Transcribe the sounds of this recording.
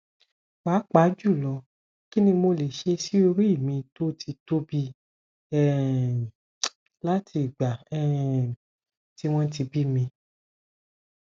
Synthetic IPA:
wa˨˦k͡pa˨˦d͡ʒu˦˨lɔ˨˧˦ | ki˦nĩ˧mo˧le˨ʃe˧si˦o˧ɾi˦i˦˨mĩ˧to˦tʰi˧to˦bi˧ | ɛ˦˨ | la˦tʰi˧˨ɡ͡ba˨ɛ˦˨ | ti˦w̃ɔ̃˦ti˧bi˦mĩ˧

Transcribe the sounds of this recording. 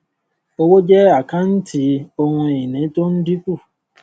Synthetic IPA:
o˦wo˦d͡ʒɛ˦a˦˨kã˦n̩˦ti˨˦o˧hũ˧e˨ĩ˨nĩ˨˦to˦n̩˦di˦ku˦˨

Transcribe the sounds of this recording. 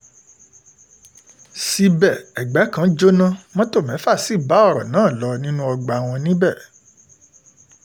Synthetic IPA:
si˧bɛ˨ɛ˨ɡ͡bɛ˨˦kã˨˦d͡ʒo˦nã˦mɔ̃˦to˦˨mɛ̃˨˦fa˦˨si˦˨ba˨˦ɔ˦˨ɾɔ̰˨nãː˨˦˨lɔ˧˦nĩ˦nũ˦ɔ˧ɡ͡ba˨w̃ɔ̃˧nĩ˦bɛ˦˨

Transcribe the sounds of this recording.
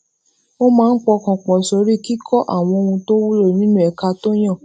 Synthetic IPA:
o˦mãː˦n̩˦k͡pɔ˧kɔ̃˨k͡pɔ̃˨so˧ɾi˦ki˦kʰɔ˦ʔa̰˦˨w̃ɔ̃˧o˧hũ˧to˦wu˦lo˦˨nĩ˦nũ˦ɛ˨ka˧to˦j̃ã˦˨

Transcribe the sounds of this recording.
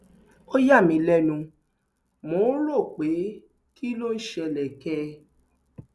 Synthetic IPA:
o˦ja˦˨mĩ˧˦lɛ˦nũ˧ | mõ˨˦ɾo˦˨k͡pe˨˦ | ki˦lo˦n̩˦ʃɛ˧lɛ˨kɛ˧˦

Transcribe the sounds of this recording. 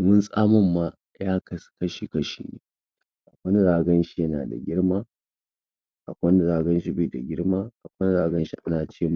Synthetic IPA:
mʊ˦nsʼaː˦mɐ˦mːaː˦ | jaː˦kɐ˨skɐ˦ʃi˨kɐ˦ʃḭː˨nḛː˨˦ | ʔa˨kʷɐ˦n˦ɾaː˨ɡɐ˦nʃi˦jɐ˦na̰ː˨da̰˨ɡʲɪ˦ɽmaː˦ | ʔa˨kʷɐ˦n˦ɾaː˨ɡɐ˦nʃi˦bɪ˦˨da˨ɡʲɪ˦ɽmaː˦ʔa˨kʷɐ˦n˦ɽaː˨ɡɐ˦nʃi˦ʔa˦naː˨t͡ʃeː˦m

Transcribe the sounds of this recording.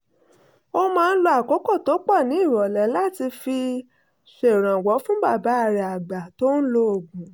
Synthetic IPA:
o˦mãː˦˧n̩˦lɔ˧a˨ko˨˦kɔ˦˨to˨˦k͡pɔ˦˨nĩ˨˦i˦˨wɔ˨lɛ˨˦la˦ti˧fi˧ | se˨ɾ̃ã˨wɔ˨˦fũ˦ba˦˨ba˨˦a˨ɾɛ˨a˨ɡ͡ba˨to˦n̩˦lo˧o˨ɡũ˨

